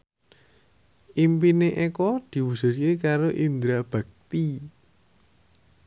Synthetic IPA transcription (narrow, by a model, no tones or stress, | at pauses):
ʔimpineʔekɔd̪̥i̤wusʊ̤tkekaɾoʔind̪ɾab̥a̤k̚t̪i